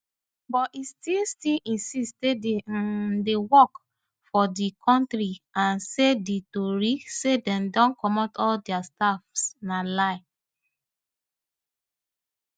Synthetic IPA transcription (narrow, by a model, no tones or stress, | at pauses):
bɔtistilstilĩnsistededewɔk | fɔdikʰɔ̃ntɾiãnseditoɹisedɛ̃mdɔ̃nkɔmɔtʰɔldɛastafsnalaɪ